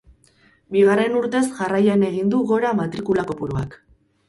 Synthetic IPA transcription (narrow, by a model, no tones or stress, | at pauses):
biɣ̞are̞nuɾt̪e̞sʝarajane̞ɣ̞ind̪uɣo̞ɾamat̪ɾikulako̞puɾua̰k